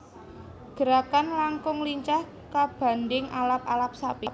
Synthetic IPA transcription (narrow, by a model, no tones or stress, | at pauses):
ɡ̥ə̤ɾakanlaŋkʊŋliɲt͡ʃah | kab̥a̤ndɪŋʔalap̚alap̚sapi